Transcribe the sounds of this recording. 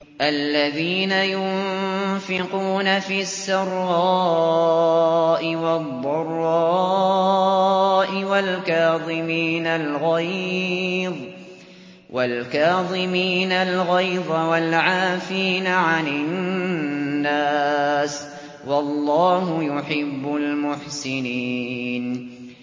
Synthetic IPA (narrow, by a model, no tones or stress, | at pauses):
ʔalːaðiːnajʊmfɪquːnafiːasːɑɾˤːɑː | ʔɪwɑd̪ˤːɑrˤːɑ | ʔɪwalkaːðˤɪmiːnalɣaj | ðˤ | wʔalkaːðˤɪmiːnalɣajðˤawalʕaːfiːnaʕanɪ | aːs | wɑlˤːɑːhʊjʊħɪbːʊlmʊħsɪniːn